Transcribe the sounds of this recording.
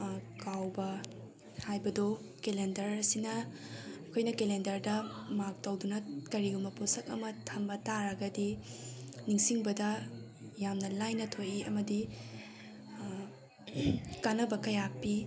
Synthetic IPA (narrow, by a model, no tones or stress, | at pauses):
kawbɐ | hajbɐdo | kelendɐɾsinɐɐkʰojnɐkelendɐɾdɐmak̚tɐwdunɐkɐɾiɡumbɐposɐk̚ɐ̰mɐtʰɐmbɐtaɾɐɡɐdi | niŋsiŋbɐdɐ | jamnɐlajnɐtʰojiɐmɐdi | kanɐbɐkɐjapːi